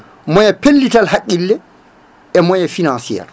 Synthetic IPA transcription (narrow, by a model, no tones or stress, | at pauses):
mɔjapelːitalhakʼːilːɛ | ɛmɔjafinansija̰ɾ